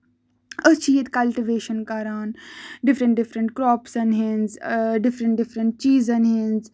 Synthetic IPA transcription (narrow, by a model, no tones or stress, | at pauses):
ət͡ʃʰiːjit̪kɐlʈiʋeːʃənkaːɾaːnɖɪfɾə̃ɳʈ̚ɖɪfɾə̃ɳʈkɾɔːpsɐnɦĩnzɖɪfɾə̃ɳʈ̚ɖɪfɾə̃ɳʈ̚t͡ʃiːzɐnɦĩnz